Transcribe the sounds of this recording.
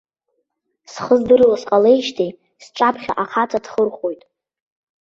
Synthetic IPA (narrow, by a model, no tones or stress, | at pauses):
sχəzdɨrlasqʼale̞jʃtʰej | sʈ͡ʂʼapʰχʲa̰ʔaχʰat͡sʼadʰχərχo̞jtʼ